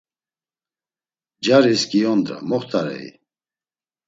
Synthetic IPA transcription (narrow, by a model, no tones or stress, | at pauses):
d͡ʒaɾiskʼiɔnd̪ɾa̰mɔχt̪ʰʼaɾɛ̰ḭ